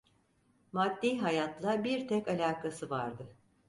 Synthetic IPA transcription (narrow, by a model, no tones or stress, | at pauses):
mad̪ːiːɦajat̪lˠabiɾt̪ʰɛkalʲaːkʰasɯvaɾd̪ɯ